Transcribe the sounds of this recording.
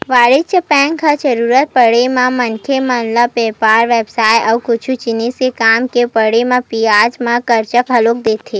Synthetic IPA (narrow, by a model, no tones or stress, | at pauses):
ʋaːɾɪt͡ʃəpɛ̃ːŋkʰat͡ʃəɾuːɾət̪̚pəɽemãmənkʰemənləpeːpaːɾʋeːbsaːjɔʋkʊt͡ʃʰut͡ʃɪnisekaːmkepəɽemãpiaːd͡ʒmãkəɾt͡ʃəkɦəloːk̚d̪eːt̪ʰeː